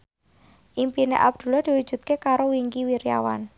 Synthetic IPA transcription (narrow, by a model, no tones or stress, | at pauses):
ʔimpinḛʔab̚d̪̥ṳlɔd̪̥i̤wud̥ʒ̥ṳt̪̚kekaɾowiŋkiwiɾija̰wa̰n